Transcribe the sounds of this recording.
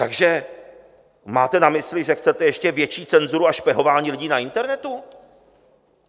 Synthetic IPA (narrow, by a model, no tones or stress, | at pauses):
t̪aɡʒɛ | maːt̪ɛnamɪslɪʒɛxt͡sɛt̪ɛjɛʃcɛvjɛt͡ʃiːt͡sɛnzuɾuaʃpjɛɦo̞vaːɲiːlɪɟiːnaɪnt̪ɛɾnɛt̪u